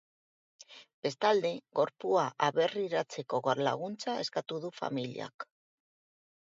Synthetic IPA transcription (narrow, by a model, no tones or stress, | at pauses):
b̥e̞st̪ald̪e̞ɡo̞ɾpuaʔaβe̞riɾat͡se̞ko̞ɣoɾla̰ɣ̞unt͡sae̞skat̪uðufa̰milḭa̰k